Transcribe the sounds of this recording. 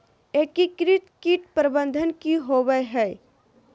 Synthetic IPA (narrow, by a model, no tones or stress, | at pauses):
eːkikɾɪt̪kiʈpɾəbə̃nd̪ʱənkiɦowəɦɛ